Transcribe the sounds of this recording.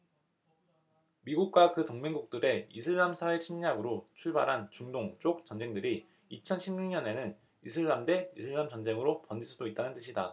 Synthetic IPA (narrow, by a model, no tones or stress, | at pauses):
miɡuk̚k͈wakɯtoŋmeŋɡuk̚t͈ɯɾe̞isʰɯɭːamsʰae̞ɕʰimɲaɡɯɾot͡ɕʰuɭba̰ɾɦant͡ɕuŋdoŋt͡ɕ͈ok̚t͡ɕ͈ʌnd͡ʑe̞ŋdɯɾi | it͡ɕʰʌnɕʰimɲuŋɲʌne̞nɯn | isʰɯɭːamde̞isʰɯɭːamt͡ɕʌnd͡ʑe̞ŋɯɾopʌnd͡ʑis͈ʰudoit̚t͈anɯnt͈ɯɕʰida